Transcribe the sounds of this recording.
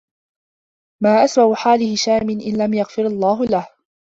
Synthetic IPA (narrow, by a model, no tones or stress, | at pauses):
maːʔasbawħaːlɪhɪʃaːmɪnʔɪnlamjaɣfɪɾɑlˤːɑːɦʊlah